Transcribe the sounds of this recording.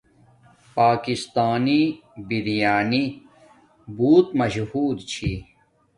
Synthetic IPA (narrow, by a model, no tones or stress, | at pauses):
paːkist̪aːni | biɾijaːni | buːt̪mɐɕhuːd̪t͡ɕʰi